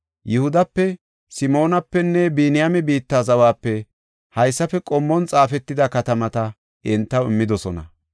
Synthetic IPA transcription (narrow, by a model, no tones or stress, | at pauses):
jɪhʊd̪ɐpːɛ | sɪmo̞ːnɐpːɛnːɛbiːnɪjɐmɛbiːt̪ːaːzɐwaːpːɛ | hɐjsːɐfɛkʼɔmːɔnt͡sʼaːfɛt̪ːɪd̪ɐkɐt̪ɐmɐt̪ɐ | ɪnt̪ːɐwɪmːɪd̪ɔsɔnɐ̰